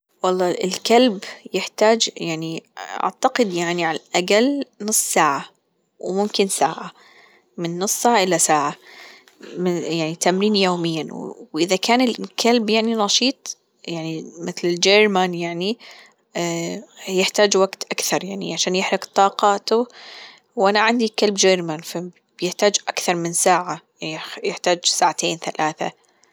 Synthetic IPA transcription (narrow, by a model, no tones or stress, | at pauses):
wɑlˤːɑːɪ̰lkalbjɪħt̪aːd͡ʒjaʕniʔa̰ʕt̪aqɪd̪jaʕniʕalʔaɡalnɨsˤːsaːʕa | wmʊmkɪnsaːʕa | mɪnːʊsˤːsaːʕaʔɪlːasaːʕa | mɪjaʕnit̪amɾiːnjoːmɪjːawwʔɪðakʰaːnɪlkʰalbjaʕninɑʃiːt̪ˤ | jaʕnimɪθlɪld͡ʒeɾmanjaʕni | jɪħt̪aːd͡ʒwaɡt̪ʔakθɑɾˤjaʕnḭʕaʃaːnjɪħɾɪkt̪ˤɑːqɑːt̪ʊ | wʔanaʕand̪ikalbd͡ʒeɾmanfa | bjɪħt̪aːd͡ʒʔakθɑɾˤmɪnsaːʕa | jɪħt̪aːd͡ʒsaːʕat̪ʰeːnθalʔaːθa̰